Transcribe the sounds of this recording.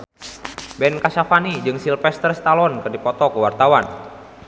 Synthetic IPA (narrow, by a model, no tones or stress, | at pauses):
bɛnkaʃafanid͡ʒɨŋsilfɛst̪ərst̪alɔnkɨrdipɔt̪ɔkəwart̪awan